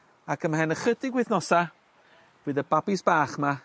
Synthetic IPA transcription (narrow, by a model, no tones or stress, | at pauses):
akʰəmhɛnəχədɪɡwɪθnɔsa | vɨːðəbabɪsb̥aːχma